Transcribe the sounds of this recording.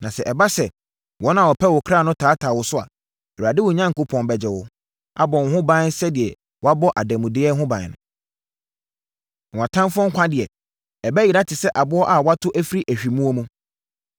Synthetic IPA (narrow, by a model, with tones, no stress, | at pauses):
nã˨sɛ˨ʔɛ˨ba˦sɛ˨ | wɔ̃˨˦nã˦˨ɔ˨pʰɛ˦wɔ˨kʰɾa˦˨nʊ̃˦tʰaː˨˦tʰaː˨wʊ˨sʊ˦a̰˨ | ɛ˨a˨dɪ˦wʊ˨ɲã˦ŋ̩˨kʊ˦pʰɔ̃˨nbɛ˨d͡ʑɛ˨wʊ˦ | a̰˦bɔ̃˨n˨hʊ̃˦bã˦n˦sɛ˦dɪ˨ɛ˨ | wɔ˦a˦bɔ˦ʔa˨dæ̃˨mũ˨dɪ˦ɛ˦ɦʊ̃˦bã˨nʊ̰̃˨ | ã˨tʰã˦mfʊ˦ɔ̃˦ŋ̩˦kʷʰã˦dɪ˨ɛ˨ | ɛ˨bæ˦ji˨ɾa˦tʰɪ˨sɛ˦ʔa˨bʊ˦ɔ˦ʔa˨wa˦tʰʊ˦ʔæ˦fi˦ɾi˦ʔæ˨ɕᶣi˨mũ˦ɔ˦mũ˦